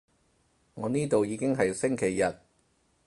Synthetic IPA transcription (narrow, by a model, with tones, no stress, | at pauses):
ŋɔː˨˧niː˥t̪o˨wjiː˨˧kɪ˥ŋɦɐ˨jsɪ˥ŋkʰe˨˩jːɐ˨t̚